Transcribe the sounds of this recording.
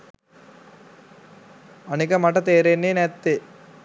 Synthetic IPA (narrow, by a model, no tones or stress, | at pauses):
ɐnikɐmɐʈɐt̪eːɾeːnːinet̪ːe